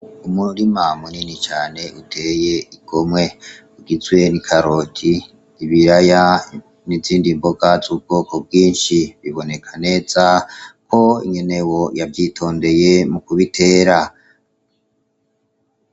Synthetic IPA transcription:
umuɾimamuninit͡ʃaːne̞ʔutʰe̞ːje̞iɡ̥o̞mwe̞ | uɡizwe̞nikʰaɾo̞ːtʰiː | βiɾaja | niziːndimboɡazuːb̚ɡ̥o̞ːkob̚ɡiːnʃiβiβo̞ne̞kʰane̞ːzakʰo̞ḭɲe̞ne̞wo̞javjiːtʰo̞ːnde̞je̞mukuβitʰe̞ːɾa

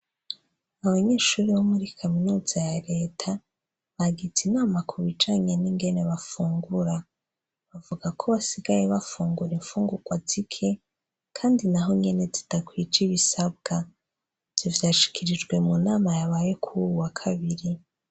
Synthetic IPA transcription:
aβaɲe̞ːʃuːɾiwomuɾikʰaminuːzajaɾe̞ːtʰa | βaɡid͡zinaːmakʰuβid͡ʒaːɲe̞niŋɡe̞ne̞βafuːŋɡuɾa | βavuɡakʰo̞βasiɡaje̞βafuːŋɡuɾeɱfuːŋɡuɡ̥wazikʰe̞ | kʰaːndinaɦo̞ɲe̞ne̞zid̥akwid͡ʒiβisabɡ̥a | vz̥ivjaːʃi̥kʰiɾid͡ʒɡwe̞munaːmajaβaːje̞kʰuuwakʰaβiɾi

